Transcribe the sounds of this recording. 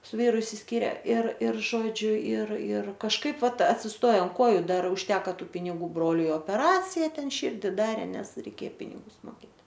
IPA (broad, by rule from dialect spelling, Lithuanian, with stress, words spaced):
sʊ ˈʋʲiːrʊ ɪʃʲsʲɪsʲˈkʲiːrʲɛ ɪr ɪr ˈʒoːd͡ʒʲʊ ɪr ɪr kɐʃˈkɐɪp ˈʋɐt ɐtʲsʲɪsˈtoːjɛ ɐnt ˈkoːjʊ ˈdɐr ʊʃʲˈtʲæːkɐ ˈtuː pʲɪnʲɪˈɡuː ˈbroːlʲʊɪ oːpʲɛˈrɑːt͡sʲɪjɛ ˈtʲɛn ˈʃʲɪrʲdʲɪ ˈdɑːrʲeː ˈnʲɛs rʲɛɪˈkʲeː ˈpʲɪnʲɪɡʊs moːˈkʲeːt